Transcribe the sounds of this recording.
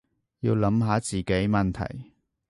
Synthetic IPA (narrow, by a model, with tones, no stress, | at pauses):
jiː˧wlɐ˨˥mɦaː˨˥t͡siː˨ke˨˥jmɐ˨nt̪ʰɐ̰˨˩j